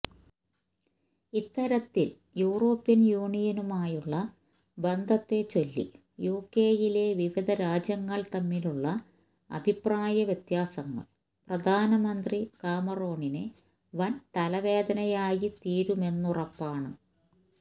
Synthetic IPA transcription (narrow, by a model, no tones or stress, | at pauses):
it̪ːɐɾɐt̪ːil | juːro̞ːpːjɐnjuːɳijɐnumaːjuɭːɐ | bend̪ʱɐt̪ːe̞t͡ɕo̞lːḭ | juːkːe̞ːjile̞ʋiʋid̪ʱɐɾaːd͡ʑjɐŋːɐɭt̪ɐmːiluɭːɐ | ɐ̰bʱipraːjɐʋjet̪jaːsɐŋːɐ̰ɭ | prɐd̪ʱaːnɐmɐnd̪rikaːmɐro̞ːɳinɨ | ʋɐnt̪ɐlɐʋe̞ːd̪ɐnɐjaːjit̪iːɾume̞nːurɐpːaːɳɨ